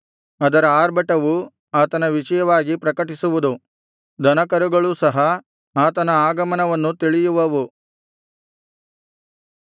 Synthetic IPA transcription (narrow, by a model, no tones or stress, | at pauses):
ɐd̪ɐɾɐaːɾbɐʈɐʋu | aːt̪ɐnɐʋit͡ʃɐjɐʋaːɡipɾɐkɐʈisuʋud̪u | d̪ɐnɐkɐɾuɡɐɭusɐɦɐ | aːt̪ɐnɐaːɡɐmɐnɐʋɐnːut̪iɭijuʋɐʋu